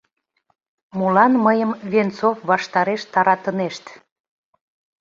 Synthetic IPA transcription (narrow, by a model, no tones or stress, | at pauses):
mulɑnməjəmvʲent͡sofβɑʃt̪ɑɾeʃt̪ɑɾɑt̪əneʃt̪